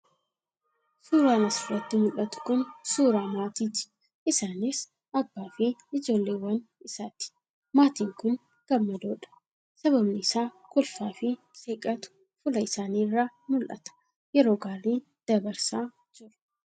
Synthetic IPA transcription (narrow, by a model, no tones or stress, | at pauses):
suːɾaːnɐsɪrːɐt̪ːɪmʊlʔɐt̪ʊ̥kʊnsuːɾaːmaːt̪iːt̪ɪ̥ | ʔɪsaːnɪs | ʔɐbːaːfɪɪd͡ʒo̞ːlːeːwːɐnɪsaːt̪ɪ̥ | maːt̪iːŋkʊn | ɡ̥ɐmːɐd̪oːᶑɐ̥ | sɐbɐbnɪsaː | kʊlfaːfɪ | sʼeːkʼɐt̪ʊ̥ | fʊlɐɪsaːniːrːaːmʊlʔɐ̰t̪ɐ̥ | jɛɾo̞ːɡaːɾiː | d̪̥ɐbɐɾsaː | d͡ʒɪɾʊ̥